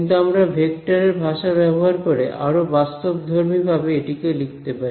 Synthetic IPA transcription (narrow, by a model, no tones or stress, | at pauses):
nt̪uamɾabʱek̚ʈaɾeɾbʱaʃabɛboɦaɾkoɾḛʔa̰ɾobast̪obd̪ʱoɾmibʱabeeʈikelik̚t̪epaɾi